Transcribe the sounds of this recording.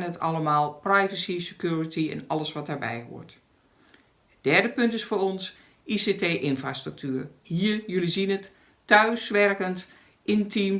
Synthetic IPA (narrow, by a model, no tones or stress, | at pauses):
nətʰɑləmaːlˠprajvəsisəkjuːɹətʰiɛ̰nɑləsʋɑtaɹbɛ̰jɦṵːɹt | əd̥ɛɹdəpʏntɪsfoːɾɔns | ʔiseteːʔɪnfraːstrək̚tyːrhiːɹjølizinətː | œɥsʋɛrkənt | ʔɪntʰim